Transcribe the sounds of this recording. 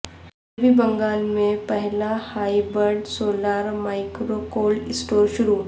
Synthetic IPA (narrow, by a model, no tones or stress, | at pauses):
bibə̃ŋɡaːlmẽpɐɦlahaːibəɾɖsoːlaːɾmaːɪkɾokoːlɪsʈoːɾʃʊɾu